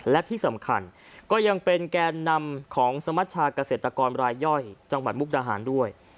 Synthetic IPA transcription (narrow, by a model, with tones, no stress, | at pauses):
lɛ˦˥ʔt̪ʰiː˥˩sa˩˦mkʰa̰˧n | kɔː˥˩ja˧ŋpe˧nkɛː˧nːa˧mkʰɔː˩˦ŋsa˧ma˦˥t̪̚t͡ɕʰaː˧ka˧seː˨˩t̪ɾa˧kɔː˧nɾaː˧jːɔ˥˩jt͡ɕa˧ŋwa˨˩t̪̚mu˦˥k̚daː˧ɦa̰ː˩˦ndu˥˩əj